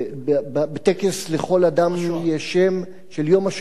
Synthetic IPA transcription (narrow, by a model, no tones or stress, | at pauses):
bbabet̪ekesleχo̞ladamjeʃem | ʃeljo̞maʃ